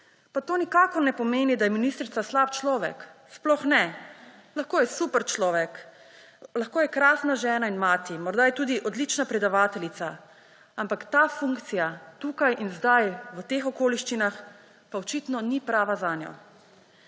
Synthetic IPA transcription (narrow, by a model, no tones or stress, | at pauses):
pat̪oːnikaːkɔɾnɛpɔmeːnid̪ajɛminist̪ɾit̪saslaːpt͡ʃlɔːʋɛ̰ksplɔxnɛ | laxkoːjɛsupɛɾt͡ʃlɔːʋɛk | laxkoːjɛkɾaːsnaʒɛːnainmaːt̪imɔɾd̪ajɛt̪uːd̪iʔɔd̪lit͡ʃnapɾɛd̪aʋaːt̪ɛlit̪sa | ampakt̪aːfuŋkt̪sijat̪ukajʔinzd̪ajʋət̪exɔkoːliʃt͡ʃinax | paɔt͡ʃit̪nɔnipɾaːʋazaːnjɔ̰